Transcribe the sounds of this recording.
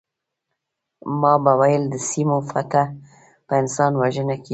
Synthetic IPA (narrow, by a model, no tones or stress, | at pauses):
mɑbawajəld̪əsimofat̪a | pəɪnsɑnwaʒənaki